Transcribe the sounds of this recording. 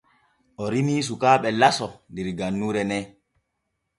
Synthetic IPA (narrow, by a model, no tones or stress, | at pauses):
ʔɔɾimiːs̬ukaːɓɛlasɔndiɾɡanːuːɾɛnɛ